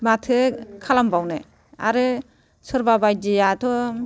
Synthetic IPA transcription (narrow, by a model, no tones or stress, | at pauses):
matʰɯkʰalambawnɯ̰ | a̰ɾɯ | sɯɾbabajdijatʰɔ